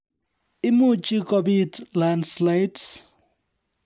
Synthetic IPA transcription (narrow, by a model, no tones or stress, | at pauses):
imut͡ʃʼikʼɔbitlandslajt